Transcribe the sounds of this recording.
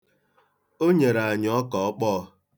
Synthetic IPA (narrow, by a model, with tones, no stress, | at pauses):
o˦ɲe˨ɾa˨ɲ˦ɔ˦kɔ˨ɔ˦k͡pɔ˦˧